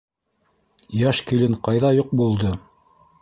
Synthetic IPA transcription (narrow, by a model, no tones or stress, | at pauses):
jæʃkilɘɴqɑjðɑjoq̚bulˠd̪ɤ